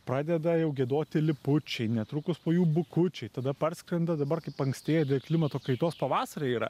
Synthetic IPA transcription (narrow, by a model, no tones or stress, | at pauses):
pɾɑːd̪ʲɛd̪ɐjɛʊɡʲeɛd̪oːt̪ʲɪlʲɪpʊt͡ʃʲɛɪnʲɛt̪ɾuːkʊspoːjuːbʊkʊt͡ʃʲɛɪt̪ɐd̪ɐpɐɾʲsʲkɾʲɛnd̪ɐd̪ɐbɐrkɐɪpɐŋksʲt̪ʲeːjɛd̪ʲeːlˠklʲɪmɐt̪oːkɐɪt̪oːspɐʋɑːsɐɾʲeiːɾɐ̰